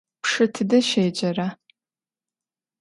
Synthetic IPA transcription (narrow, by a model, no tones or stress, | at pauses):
pʰʂɨtʰɨdɐʃeːd͡ʒɐra